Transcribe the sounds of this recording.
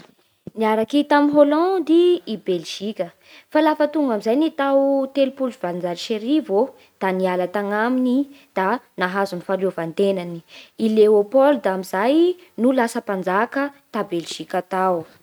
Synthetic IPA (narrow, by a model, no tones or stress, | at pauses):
niaɾakit̪aminɦolɔ̃d̪iibelʒ̥ikʲə | falafət̪uŋɡamizajnit̪awt̪elupuluvand͡zalʃeɾivo | d̪̥anialat̪aŋamini | d̪̥anaɦazunifaɾovant̪enaniileopɔld̪aamizaj | nulasəpand͡zakət̪abelʒ̥ikʲat̪aw